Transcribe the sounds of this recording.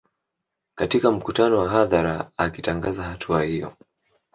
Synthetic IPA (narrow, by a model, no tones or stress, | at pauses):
katikam̩kutanɔwaɦaðaɾaakitaŋɡazahatʰuahijɔ̰